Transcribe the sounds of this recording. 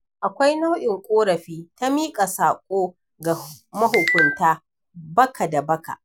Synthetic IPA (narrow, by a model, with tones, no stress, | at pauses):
ʔa˨kʷa˦jna˦wʔɪ˨ŋkʷʼoː˦ɽɐ˨ɸiː˦ta˦miː˦kʼa˨saː˨kʷʼoː˦ | ɡa˨ | mɐ˦ɦʊ˨kʷʊ˨ntaː˦ | bɐ˦kʰa˨da˨bɐ˦ka̰˨ʔ